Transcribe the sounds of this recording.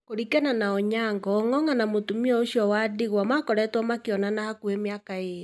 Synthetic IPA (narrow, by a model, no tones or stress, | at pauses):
koɾikɛnanaɔɲaŋɡɔːŋɔŋanamotumiɔoʃiɔwadeɣwamakɔɾɛtwɔmakeɔnanahakuemeakaeɾi